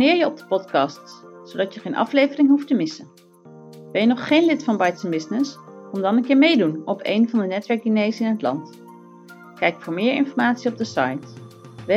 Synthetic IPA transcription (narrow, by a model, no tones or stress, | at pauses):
nɪːɹjəɔb̚dəpɔtkɑstssodɑtjəχejnʔɑ̰flejvərɪŋɦuftəmɪsə | ʋɪlˠjənɔχχejnlɪtfɑnbɑjtənbɪsnɪs | ɔmdɑnənkɪːɹmejdunɔpḛjnvɑndənɛtʋɛɹk̚dinejsɪnɦətlɑ̰nt | kɛjkfʊːɹmɪːɹɪ̰nfɔɹmaːtsiɔb̚dəsɑ̰jt | ʋ